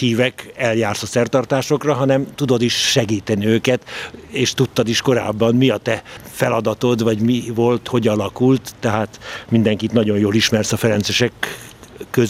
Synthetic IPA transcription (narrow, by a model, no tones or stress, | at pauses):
iːvɛkɛljaːrsɒsɛrt̪ɒrt̪aːʃo̞krɒɦɒnɛmt̪ud̪o̞d̪iʃʃɛɡiːt̪ɛniøːkɛt̪eːʃt̪ut̪ːɒd̪iʃko̞ɾa̰ːbːɒmmiɒt̪ɛfɛlɒd̪ɒt̪o̞d̪vɒɟmivo̞lt̪ho̞ɟɒlɒkult̪ːɛɦaːt̪mind̪ɛŋkit̪nɒɟo̞njoːliʃmɛrsɒfɛɾɛnsɛʃɛkː | ø